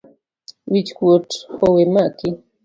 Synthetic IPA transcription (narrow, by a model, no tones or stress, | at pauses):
wit͡ʃkwotowemakɪ